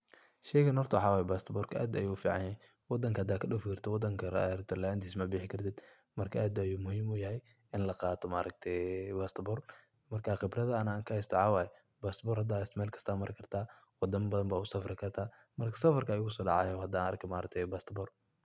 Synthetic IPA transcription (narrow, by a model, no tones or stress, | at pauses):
ʃɛjkɐnhɔrt̪ʰɐħɑwaːjbaːst̪bɔːrkʰɐʔæ̰ːd̪ɐ̰juːʊfiːʕɑnɛj | wɑd̪ɐŋkʰɐhɐd̪aːkʰɐɗʊːfɪkʰɐrt̪ʰɐwɑd̪ɐŋkʰɐɾɐt̪ʰɐlant̪ʰiːsmɐbɪːħɪkʰɐrt̪ʰɛːd̪ | mɐrkʰɐʔaːd̪ɐjuːmʊhiːmʊjɐɦɛj | ɪnlɐqɑːt̪ʰɔmaːɾʔɐɡ̚t̪ʰɛbaːst̪bɔːr | mɐrkʰaːqɪbrɐðɐɐnaːŋkʰɐhɛjst̪ʰɔʕɑːwaːj | baːst̪bɔːrhɐd̪aːɪst̪mɛːlkʰɐ̥st̪ʰaːmɐɾɪkʰɐrt̪ʰaː | wɑd̪ɐmbɐðɐmbaːʊsɐfɾɪkʰɐrt̪ʰaː | mɐrkʰɐ̥sɐfɐrkʰɐːjʊɣʰʊsɔːɖɑ̰ʕɑ̰ːjɔhɐd̪anɐ̰rk̚t̪ʰɛmaːɾɐk̚t̪ʰɛjbaːst̪bɔr